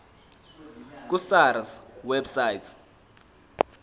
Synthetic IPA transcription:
k̬ʼusaɾswɛbsajtʰ

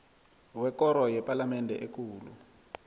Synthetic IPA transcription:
wɛkɔɾɔjɛpalamɛndʱɛ̰ʔekuːlu

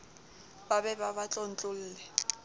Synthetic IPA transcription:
babɛbaβat͡ɬʼon̩t͡ɬʼʊl̩ːlɛ

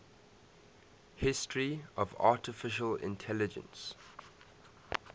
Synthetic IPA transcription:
hɪstʰɹiɔva̰ːˑtɪfɪʃəlɪ̰̃ntʰɛlɪd͡ʒə̰̃ns

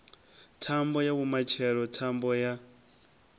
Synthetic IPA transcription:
tʰambɔjaβumat͡ʃʰɛɺɔtʰambɔja

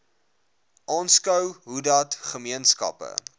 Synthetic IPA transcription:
ʔɑːnskəwɦudɐtχəmiənskɐ̰pə̰

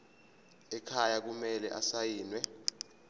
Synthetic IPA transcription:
ɛkʰajak̬umɛlɛ̰ʔasajiːnwɛ

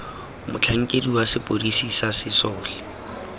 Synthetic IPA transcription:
mʊt͡ɬʰaŋ̩kʼediwasɪpʼorisisasɪsɔːlɪ

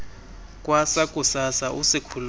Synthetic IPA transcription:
k̬ʼwasakʼusasaʔusikʰul

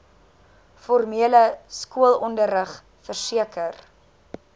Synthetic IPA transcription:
fɔrmiələskuəlˠɔndərəχ | fərsiəkər

